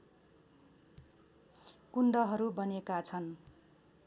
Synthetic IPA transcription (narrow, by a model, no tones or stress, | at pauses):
kuɳɖʌɦʌɾubʌnekat͡sʰʌn